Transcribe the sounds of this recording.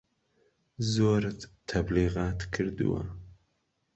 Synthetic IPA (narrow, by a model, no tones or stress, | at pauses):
zoːɾt̪ʰɐbliːɣɑːt̪kʰɨɾd̪ɨ̰wa̰